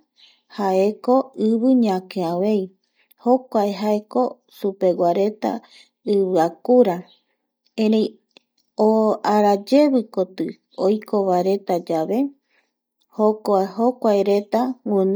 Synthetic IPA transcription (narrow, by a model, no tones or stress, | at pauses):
hae̞ko̞ɨβɨɲãkeaʋe̞i | ho̞kʷaeɦae̞ko̞ | supe̞ɡʷaɾe̞t̪a̰ | ɨβɨakuɾa | ẽɾẽj̃ | oaɾad͡ʒe̞βɨkot̪ɨ | ojkʰo̞βaɾe̞t̪ad͡ʒaβe̞ | hokoehokʷaeɾe̞t̪aŋʷɨ̃n